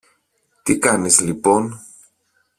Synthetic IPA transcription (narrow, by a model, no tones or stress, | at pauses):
t̪ikɐnizlipo̞n